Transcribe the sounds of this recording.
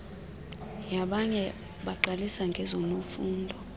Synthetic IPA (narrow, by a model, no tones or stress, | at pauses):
jaɓaɲɛ | ɓaǃalisaŋɡʱɛzɔnofuːndʱɔ